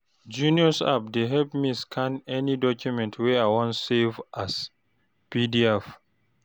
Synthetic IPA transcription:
d͡ʒũniɔsa̰p̚deɦɛlpmiskʰãnɛnidɔkʰjumɛ̃ntʰwɛawɔ̃nsevʔas | pidiɛf

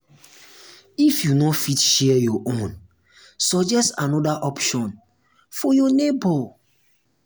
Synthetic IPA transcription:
ifjunɔtfitʃɛjɔʔõn | sɔd͡ʒɛstãnɔdaʔɔpʃɔ̃n | fɔjɔnebɔ

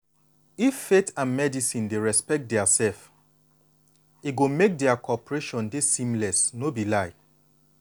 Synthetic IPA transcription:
ifːetʰãnmɛdisĩndeɹɛspɛk̚t̚dɛasɛlf | iɡomek̚dɛakʰɔpɹeʃɔ̃ndesĩmlɛsnobilaɪ

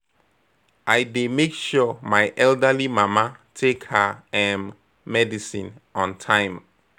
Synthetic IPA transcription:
ʔajdemekʃɔmajʔɛldəlimamatʰekhəɛ̃mː | ɛdisĩnɔ̃ntʰãɪ̃m

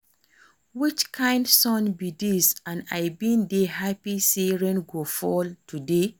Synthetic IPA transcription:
wit͡ʃkʰãɪ̃ndsɔ̃nbidisãna̰jbĩndeɦapiseɹɛ̃nɡofɔltʰude

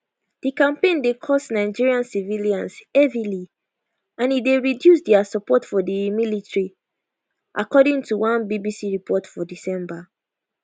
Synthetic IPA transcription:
d̥ikãmpẽndekʰɔsnaɪd͡ʒiɹiãnsiviliãnsɛvili | ãnideɹidjus̬dɛasɔpɔtfɔdimilitɹi | ʔakɔdĩŋtuwãnbibisiɹipʰɔtfɔdisɛ̃mba

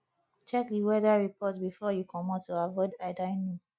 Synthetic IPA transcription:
t͡ʃɛkdiwɛdaɹipɔtbifɔjukʰɔmɔtːuavɔdaɪdaɪnũ

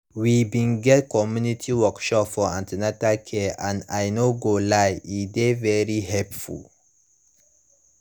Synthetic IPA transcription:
wibiŋɡɛtkɔmunitʰiwɔkʃɔpfɔãntinatakʰeanajnoɡolajidevɛɾihɛpfṵl

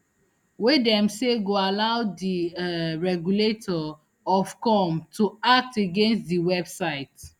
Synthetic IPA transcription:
wedɛ̃mseɡoalaʊdiɹɛɡuletʰɔ | ɔfkɔmtuak̚teɡẽnstdiwɛbsaɪt

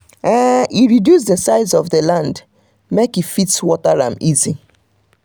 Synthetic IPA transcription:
ɛiɹidjus̬dəsaɪzɔvðəlãnd | mekifitswɔtaɹã̰mizi

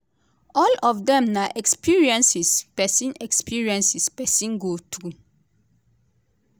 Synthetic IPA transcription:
ɔlɔfdɛ̃mnaʔɛkspiɹiɛ̃nsispɛsĩnɛkspʰiɹiɛ̃nsispɛsĩnɡotɾu

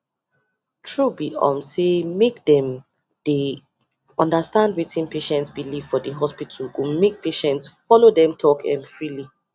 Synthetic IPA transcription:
tʰɹubiʔɔ̰̃msemekdɛ̃m | de | ɔ̃ndastãndwetĩnpeʃɛ̃ntsbiliv̥fɔdeɦɔspitʰulɡomek̚peʃɛ̃ntsfɔlodɛ̃mtʰɔkʰɛ̰̃nfɹili

